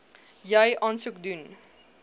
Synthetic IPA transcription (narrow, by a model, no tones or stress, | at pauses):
jajʔɑnsukdun